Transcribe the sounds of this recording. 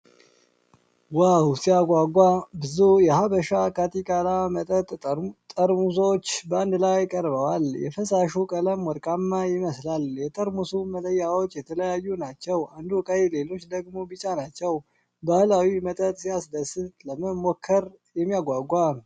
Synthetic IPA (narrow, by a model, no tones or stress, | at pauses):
wawsijaɡʷaɡʷabɨzujɛhabəʃakʰat̪ʰikʼalamət̪ʼət̪ʼt̪ʼəɾmus̬o̞t͡ʃːbəand̪lajkʼəɾbəwaljɛ̰fəsaʃukʼələmwɔɾkʼamːajɪməslaljɛt̪ʼəɾmusumələjːawot͡ʃːjɛt̪ʰələjajːunat͡ʃːɛwand̪ukʼajle̞lo̞t͡ʃːd̪əɡmo̞bɨt͡ʃʼanat͡ʃːɛw | bahlawimət̪ʼət̪ʼsijasd̪əsɨt̪ləməmokʰːəɾ | jɛmːijaɡʷaɡʷa